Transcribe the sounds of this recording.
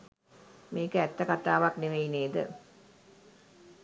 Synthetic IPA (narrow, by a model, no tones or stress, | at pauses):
meːkəæt̪ːɐkat̪aːʋakneʋejineːd̪ə̰